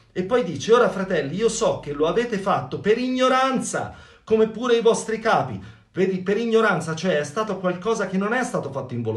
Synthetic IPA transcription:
epːɔjd̪iːt͡ʃeoːɾafɾat̪ɛlːiiːosɔk̟ːelːoaveːt̪efat̪ːopeɾiɲːoɾant̪sa̰ | komepːuːɾeivɔst̪ɾikaːpḭ | veːd̪ipeɾiɲːoɾant̪sat͡ʃoɛɛst̪aːt̪okwalkɔːzak̟enːonɛst̪aːt̪ofat̪ːoiɱvo

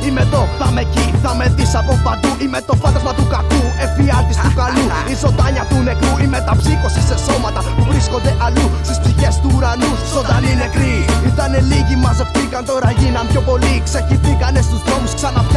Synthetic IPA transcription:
imet̪o̞θɐmeciθɐme̞ðisɐpopɐd̪uʔimet̪o̞fɐnt̪ɐzmɐt̪ukɐkue̞fiɐt̪ist̪ukɐlu | izo̞d̪ɐɲɐt̪ule̞kɾuimet̪ɐpsiko̞sise̞so̞mɐt̪ɐpuvɾisko̞nd̪e̞ʔɐlust̪ispsiçe̞st̪uːɾɐlu | zod̪ɐninekɾiit̪ɐne̞liʝimɐzoft̪ikɐnt̪o̞ɾɐʝinɐmpço̞po̞likseciθikɐne̞st̪uzðɾo̞musksɐnɐpç

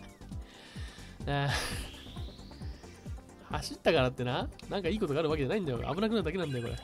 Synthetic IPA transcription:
ja | haɕit̪ːakaɾat̪ːe̞nanãŋkaiːko̞t̪o̞ɡaɾɯβake̞d͡ʑanaĩnd̪ajo̰ʔa̰bɯ̟nakɯaɾɯd̪akenãnd̪ajokoɾḛ

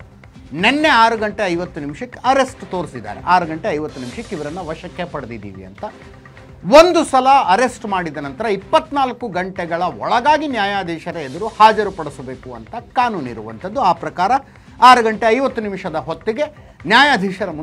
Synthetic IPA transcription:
nɛnːe̞aːɾuɡɐɳʈe̞ɐjʋɐt̪ːunimʃɐkːeɐɾe̞sʈt̪oːɾsid̪ːa̰ːɾḛʔaːɾuɡɐɳʈeɐjʋɐt̪ːunimʃɐkeiʋɐɾɐnːɐʋɐʃɐkːepɐɽɐd̪id̪ḭːʋḭɐ̰nt̪ɐ | ʋond̪usɐlɐɐɾe̞sʈmaːɽid̪ɐnɐnt̪ɐɾɐipːɐt̪ːnaːlɐkːuɡɐɳʈɛɡɐɭɐɔ̰ɭɐɡaːɡinjaːjaːd̪ʱiːʃɐɾɐed̪ɐɾuhaːd͡ʒɐɾupɐɽusɐbe̞ːkuɐ̰nt̪ɐkaːnuːnḭɾuʋɐ̰nt̪ʰɐd̪ːuaːpɾɐkaːɾɐ | aːɾuɡɐɳʈe̞ɐjʋɐt̪ːunimʂɐd̪ɐɦot̪ːiɡe̞ | njaːjaːd̪ʱiːʃɐɾɐm

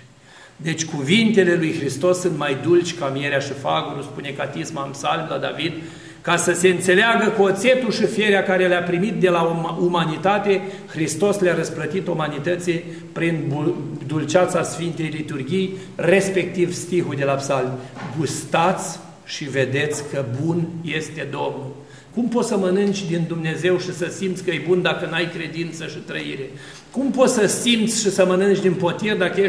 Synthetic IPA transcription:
d̪e̞t͡ʃʲkuvint̪e̞le̞lujxɾist̪o̞sːunt̪majd̪ult͡ʃʲkamieɾeaʃifaɡuɾuspune̞kat̪ismaɨnpsalmlad̪avid̪̚ | kasəse̞ɨnt̪se̞leaɡəkuot̪se̞t̪ulʃifie̞ɾeakaɾeleapɾimit̪̚d̪e̞laumanit̪at̪e̞xɾist̪o̞sleaɾəsplət̪it̪omanit̪ət̪si | pɾinud̪ult͡ʃat̪sasfint̪e̞jlit̪urɡʲijre̞spe̞k̚t̪ivst̪iɦud̪e̞lapsalmɡust̪at̪sʲ | ʃive̞d̪e̞t̪sʲkəbunje̞st̪e̞d̪o̞mnul | kumpo̞t̪səmənɨnt͡ʃʲd̪ind̪umne̞ze̞wʃisəsimt̪sʲkəjebund̪akənajkɾe̞d̪int̪səʃit̪ɾəḭɾe̞ | kumpo̞t̪səsimt̪sʲʃisəmənɨnt͡ʃd̪inpo̞t̪ird̪akəe

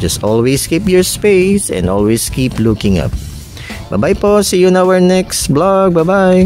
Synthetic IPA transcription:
d͡ʒʌstɔlweskipjɔɹspeɪsɛ̰̃nd̪ɔlweskiplukɪ̃ŋʌ̰p̚ | bajbajposijʊ̃nawəɹnɛkstblɔɡ̚bajbaj

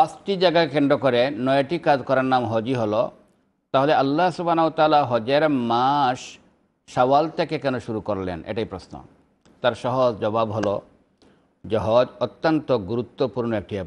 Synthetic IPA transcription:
asʈid͡ʑaɡakeɳɖ̪ɾokoɾenɔjeʈikad͡ʒkɔɾaɾnamɦɔd͡ʑiɦolo | t̪aɦoleɐlːaɦsubʱanaɦot̪aːlaɦɔd͡ʑeɾmaʃː | awalt̪ʰekekɛnoʃuɾukoɾlḛnḛʈaijpɾosno̰ | t̪aɾʃɔɦozd͡ʒɔbabɦolo | d͡ʑɔɦɔd͡ʑɔt̪ːont̪oɡuɾut̪ːopuɾnoek̚ʈiɛ

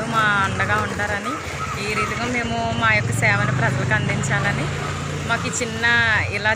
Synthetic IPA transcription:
umaːɐɳɖɐɡaːuɳʈaːɾɐni | iːɾiːt̪ɐɡɐːme̞ːmumaːjokːɐsɛːʋɐnipɾɐd͡ʒɐlɐkɐnd̪iɲt͡ʃaːlɐni | maːkut͡ʃinːɐilaː

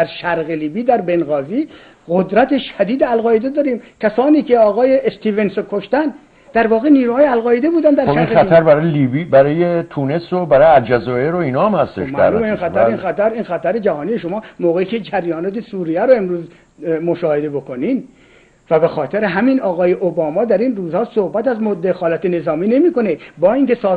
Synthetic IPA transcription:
d̪æɾʃæɾɣeliːbiːd̪æɾbenɣɒːziː | ɣod̪ɾæt̪ʰe̞ʃæd̪iːd̪eælɣɒːjed̪ed̪ɒːɾiːmkʲʰæsɒːniːkʰeɒːɣɒːjeʔːst̪ʰiːvensokʰoʃt̪æn | d̪æɾvɒːɣeniːɾuːhɒːjeælɣɒːjed̪ebuːd̪ænd̪æɾoʃinxæt̪ʰæɾbæɾɒːjelibibæɾɒːjet̪ʰunesobæɾɒːjæld͡ʒæzɒːeɾoiːnɒːæmhæst̪eʃmææ̰luːmbeinxæt̪ʰæɾinxæt̪æɾinxæt̪ʰæɾed͡ʒæhɒːnijeʃomɒːmoːɣeiːcʰed͡ʒæɾjɒːnɒːt̪esuːɾijæɾoe̞mɾuːz | moʃɒːhed̪ebo̞koniːn | væbexɒːt̪ʰeɾeɦæminɒːɣɒːje̞ʔobɒːmɒːd̪æɾinruːzhɒːsohbæt̪æzmod̪ːexɒːlæt̪ene̞zɒːmiːne̞miːkonebɒːiŋke̞sɒː

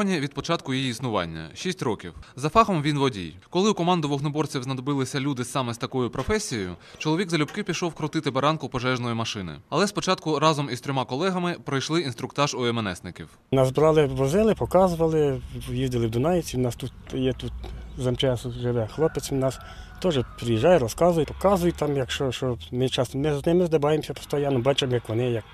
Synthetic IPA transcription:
ɔnʲiʋʲid̪pɔt͡ʃɑt̪̚kʊjijiːsnʊʋɑ̰nʲːɐ̰ʃʲisʲtʲrɔkʲiwzɐfɑxɔmʋʲinʋɔdʲḭjkɔlˠɪukɔmɑnd̪ʊʋɔɣnɔbɔrt͡sʲiwznɐd̪ɔbɪlˠɪsʲɐlʲud̪ɪsɑmɛst̪ɐkɔjʊpɾɔfɛsʲijejʊ̰t͡ʃɔlˠɔʋʲiɡzɐlʲupkɪpʲiʃɔwkɾɔt̪ɪt̪ɪbɐɾɑnkʊpɔʒɛʒnɔjʊmɐʃɪnɪ̰ɐlˠɛspɔt͡ʃɑt̪kʊɾɑzɔmist̪ɾʲɔmɑkɔlˠɛɦɐmɪpɾɐjʃlˠɪint̪ɾʊkt̪ɑʒɔemenɛ̰snɪkʲḭw | nɑsbɾɑlˠɪʋɔzɪlˠɪpɔkɑzʊʋɐlˠɪjizd̪ɪlˠɪwd̪ʊnɑjet͡sʲinɑst̪ut̪̚jɛt̪ut̪zɐmt͡ʃɑsʊʒɪʋɛxlˠɔpesʲnɑs | t̪ɔʒɛpɾɪjiʒːɑjɛɾɔskɑzʊjʊpɔkɑzʊjʊt̚ʲt̪ɑmjɐkʃt͡ʃɔʃt͡ʃɔmɪt͡ʃɑsmɪznɪmɪzd̪ɪbɑjemsʲɐt̪ɔst̪ɔjanʊbɑt͡ʃɪmjɐkʋɔnɪjɐk̚

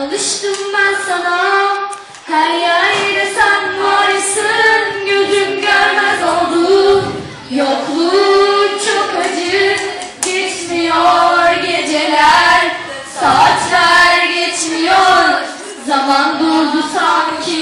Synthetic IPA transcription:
alˠɯʃt̪ɯmbænsana | hæɾjɛd̪ɛsænvaɾɯsɯnɟøzymɟøɾmɛzolˠd̪u | joklˠut͡ʃʰokad͡ʒɯ | ɟɛt͡ʃmijoɾɟed͡ʒelʲæɾ | sat͡ʃlæɾɟɛt͡ʃmijoɾ | zamand̪uld̪usamcʰi

